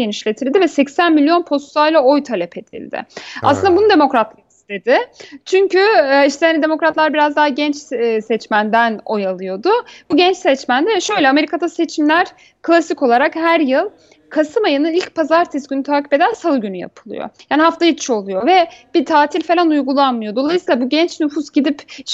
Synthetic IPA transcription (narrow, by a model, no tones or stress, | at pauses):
eniʃlʲe̞t̪ʰiɾilʲd̪ivɛsɛcsænmilʲijo̞npʰo̞st̪ajlˠao̞jt̪ʰalʲɛpʰet̪ḭlʲd̪ɪ̰a̰sɯnd̪abunud̪e̞mo̞kɾat̪ʰlˠɯki̥st̪ʰe̞d̪ɪt͡ʃʰyɲcyiʃt̪ʰɛjanid̪e̞mo̞kɾat̪lˠaɾbiɾazd̪aɦaɟɛnt͡ʃːsɛt͡ʃmænd̪æno̞̰jalˠɯjo̞d̪ʊb̥uɟɛnt͡ʃsɛt͡ʃmænd̪ɛvɛʃø̞jlʲɛame̞ɾikʰad̪ase̞t͡ʃʰimlʲæɾ̥ | kʰlˠasiko̞lˠaɾakhæɾjɯlˠ | kʰasɯmajɯnɯilʲc̚pʰazaɾt̪ʰɛsɟynyt̪ʰaːci̥pe̞d̪ænsalˠɯɟynyja̰pʰɯlˠɯ̰jo̰jaːniɦaft̪ajit͡ʃʰo̞lˠujo̞vɛb̥it̪ʰaːt̪ʰilʲfe̞lʲanujɡulˠanmɯjo̞d̪o̞lˠajsiːlˠabuɟɛnt͡ʃnufusɟid̪ip